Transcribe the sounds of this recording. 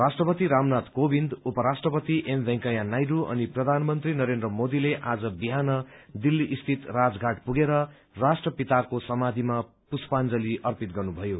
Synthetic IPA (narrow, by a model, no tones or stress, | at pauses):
rasʈrʌpʌt̪iɾamnat̪kobind̪upʌɾasʈrʌpʌt̪iʔembʱẽŋkʌjanajɾuʌ̰niprʌd̪ʱanmʌnt̪rinʌɾend̪rʌmod̪ileʔad͡zʌbiɦanʌd̪ilːiʔːst̪ʰit̪rad͡zɡʱaʈpuɡeɾʌ | rasʈrʌpit̪akosʌmad̪ʱima | puspand͡zʌliʔʌrpit̪ɡʌrnubʱʌjo